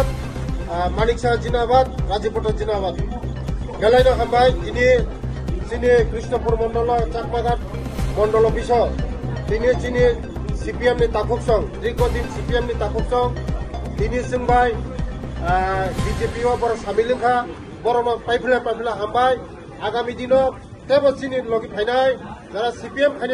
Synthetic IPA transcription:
t̪ | maniksad͡ʒinabad̪ɾad͡ʒipɔʈad͡ʒinaβad̪ | ɡelajnɔɦambajt̪ini | t͡ʃinikɾisnɔpuɾmɔɳɖɔlɔt͡ʃakmaɡʱaʈ̚ | mɔɳɖɔlɔpʰisɔt̪init͡ʃini | sipiemnit̪akʰuksɔŋt̪ɾiɡɔd̪insipiemnit̪akʰup̚sɔŋt̪inisiŋbaj | bid͡ʒepiwabɔɾɔsamiliŋkʰa | bɔɾɔmapajpʰilapajpʰilaɦambaj | aɡamid̪inɔ | t̪ebɔt͡ʃinilɔɡit̚pʰajnajzaɾasipiemkʰani

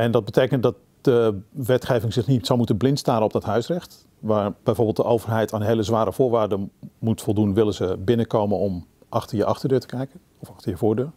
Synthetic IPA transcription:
ɛndɔd̚bəteːkəntdɑt̚ | dəʋɛtχeːvɪŋzɪχnitsɔwmutənblɪntstaːɾənɔp̚dɔtɦœɥsrɛxt | ʋaːɹbɛjvoːɹbɪːlˠtdəʔowvərɦɛjtaːnɦejləzʋaːɾəv̥ʊːɹʋaːdəmutfɔlˠdunʋɪləzəbɪnəkowmənɔm | ʔɑxtəɹjəʔɑxtəɹdøːɹtəkɛjkən | ɔfɑxtəɹjəvoːɹdøːɹ

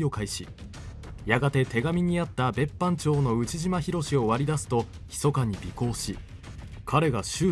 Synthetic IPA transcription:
o̞kaiɕḭ | jaɡat̪e̞t̪e̞ɡamʲiɲ̟iat̪ːabe̞pːãɲt͡ɕo̞ːno̞ɯ̟t͡ɕiʑimaçiɾo̞ɕio̞βaɾʲid̪asɨ̥t̪o̞ | çi̥so̞kaɲ̟ibʲiko̞ːɕi | kʰaɾe̞ɡaɕɨː

